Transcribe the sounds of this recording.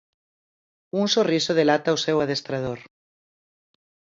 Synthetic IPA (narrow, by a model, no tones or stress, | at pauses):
unsorisoð̞elat̪awsewað̞est̪ɾað̞oɾ